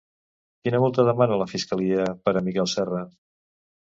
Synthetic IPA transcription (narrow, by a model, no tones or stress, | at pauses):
kinəβɔlˠt̪əðəmanələfiskəliəpəɾəmikɛlˠsɛrə